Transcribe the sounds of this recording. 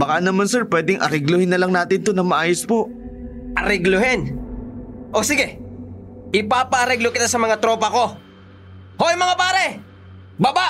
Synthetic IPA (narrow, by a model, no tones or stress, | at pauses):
bɐkanɐmansɛɹpwɛːd̪ɪŋʔɐ̰ɾɛɡlohɪnːɐlaŋnaːt̪ɪnt̪onɐŋmɐʔaːjospo̞ʔ | ʔɐɾɛɡloɦɪn | ʔosɪɡɛ | ʔɪpaːpɐʔɐɾɛɡlokɪt̪asɐmɐŋat̪ɾoːpɐko̞ | hoʔjmɐŋapaːɾɛ | babaʔ